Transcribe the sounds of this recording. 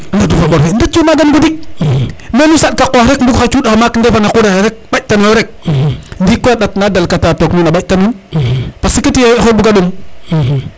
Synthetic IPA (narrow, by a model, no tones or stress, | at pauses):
ndadufaɓoɾfendat͡ʃumaɡanɡudik̚ | menusaɗ̚kakoɾekbukat͡ʃudaamakəndefanakudaɾek̚ɓat͡ʃtaneɾek̚dikːoaɗatnadalkatatokninaɓatanu | pasikitijobukaɗum